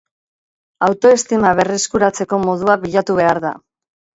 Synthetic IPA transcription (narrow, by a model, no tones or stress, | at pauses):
awt̪o̞e̞st̪imaβ̞e̞reskuɾat͡se̞ko̞mo̞ð̞uaβiʎat̪uβe̞aɾða̰